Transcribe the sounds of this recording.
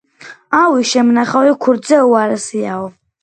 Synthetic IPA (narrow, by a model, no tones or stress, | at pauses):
awiʃɛmnaχawikʰuɾd̪zɛuaɾɛsiaɔ